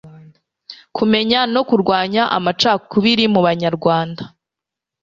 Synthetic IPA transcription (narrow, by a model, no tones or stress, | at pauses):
kume̞ɲano̞kuɾɡwaːɲaʔa̰mat͡ʃaːkuβiɾimuβaɲaɾɡwaːnda